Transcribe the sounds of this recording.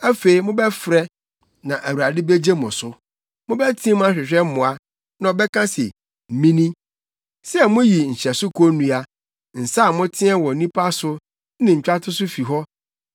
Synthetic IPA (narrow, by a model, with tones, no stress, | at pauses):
æ˦fe˨i˨mʊ̃˦bɛ˦fɾɛ˦ | nã˨ʔæ˨wu˨ɾa˨dɪ˦be˦d͡ʑe˦mʊ̃˨sʊ˦ | mʊ̃˦bɛ˦tʰĩ˦m˦ã˦ɕᶣɪ˨ɕᶣɛ˦m˦mʊ̃˨a˦ | nã˨ɔ˨bɛ˦kʰã˦sɛ̰˨ | m̩˨mĩ˦nĩ˦ | sɛ˦ɛ˨mʊ̃˦ji˨ɲ̩˨ɕɛ˨sʊ˦kʰo˦nũ˨a˨ | n̩˨sa˦˨mʊ̃˦tʰɪ̃˦ɛ˦˨wɔ˨˦nĩ˦pʰa˦sʊ˦ | nɪ̃˨ɲ̩˨t͡ɕᶣa˦tʰʊ˦sʊ˦fi˨ɦɔ˦